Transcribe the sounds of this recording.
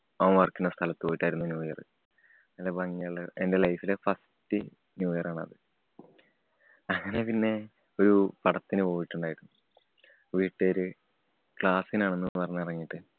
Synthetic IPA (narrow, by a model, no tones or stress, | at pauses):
oːmʋɐrkːunːɐst̪ʰɐlɐt̪ːɨpojiʈːaːjiɾunːɐnjuːjɐrɨ̰ | elebɐŋːeɭende̞lɐjfilefɐs | tɨ | njuːjɐraːɳɐ̰ðɨ | ɐŋːɐne̞pinːe̞ | o̞ɾupɐɽɐt̪ːinɨpo̞ːjiʈːuɳɖaːjiɾunːu | ʋiːʈːeɾɨ | kɭaːsinaːɳenːɨːɨpɐrɐɲːɐrɐŋːiʈːɨ